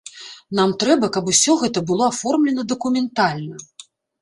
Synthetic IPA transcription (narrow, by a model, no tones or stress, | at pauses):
namt̪ɾɛbɐkɐbusʲɔɣɛt̪ɐbɨlˠɔafɔrmlʲɛnɐd̪ɐkumʲɛnt̪alʲnɐ